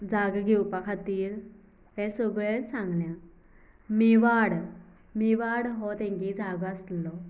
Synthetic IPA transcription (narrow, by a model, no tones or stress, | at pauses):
d͡zaɡɡʱɛwpakʰat̪iːɾ | ɦɛ̃sɔɡɭesãŋɡljã | miʋaɽ | miʋaɽɦɔt̪ɛ̃ŋkid͡zaɡəslɔ